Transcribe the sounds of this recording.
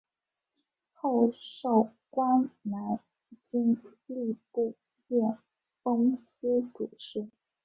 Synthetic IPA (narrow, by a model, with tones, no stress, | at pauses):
xo˥˧ʊʂɑ˥˩ʊ | kwa˥nna˧˥n | t͡ɕi˥ŋli˥˧pu˥˧ | jɛ˥˩n | fɤ˥ŋs̩˥ʈ͡ʂu˨˩ʈ͡ʂɻ̩˥